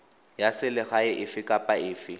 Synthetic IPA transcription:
jasɪlɪɣaɪʔɪfɪkʼapʼaɪːfɪ

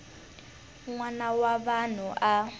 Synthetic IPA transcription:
ŋwanawaβan̤uʔa

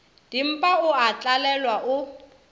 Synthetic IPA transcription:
d̥im̩pʼaʊat͡ɬʼalɛlwaʔʊ

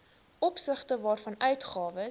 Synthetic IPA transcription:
ʔɔpsəχtəvɑːrfɐnœɥtχɑːvə

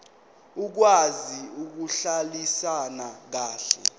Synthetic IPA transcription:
uk̬waziuk̬uɬalisanak̬aːɬɛ̰

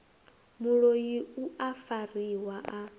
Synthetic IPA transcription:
muɺojiuafariwaʔa

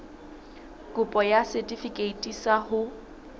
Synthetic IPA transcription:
kʼʊpʼɔjasɛtʼifikʼeitʼisahʊ

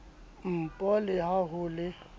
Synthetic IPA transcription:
m̩pʼɔlɪhaɦʊlɪ

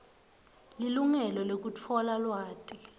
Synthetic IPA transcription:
liluŋɛlɔlek̬ut͡fʰɔlalwaːtʼi

